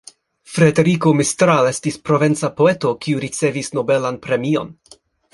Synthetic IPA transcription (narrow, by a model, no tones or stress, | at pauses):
fɾe̞de̞ɾikomistɾale̞stispɾo̞ve̞nt͡sapo̞e̞to̞kiuɾit͡se̞visno̞be̞lanpɾe̞mio̞̰n